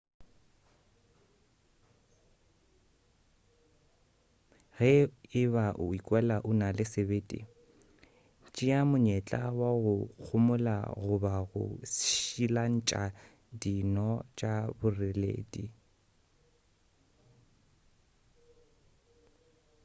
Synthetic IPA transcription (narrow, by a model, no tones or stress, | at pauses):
ɣɛɪβaʔʊikʼwɛlaʔʊnalɪsebeːtʼḭ | t͡ʃʼɪamʊɲɛt͡ɬʼa̰waɣʊk͡xʰʊmʊla̰ɣʊbaɣʊ̰sʃilan̩t͡ʃʼa | dinɔt͡ʃʼabʊrɪlḛːdḭ